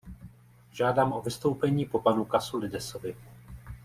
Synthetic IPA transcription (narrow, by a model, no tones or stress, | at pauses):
ʒaːdaːmʔo̞vɪst̪o̞wpɛɲiːpo̞panukasulɪdɛso̞vɪ